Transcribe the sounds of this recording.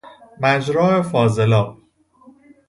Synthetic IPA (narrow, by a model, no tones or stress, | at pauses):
mæd͡ʒɾɒːefɒːzelɒː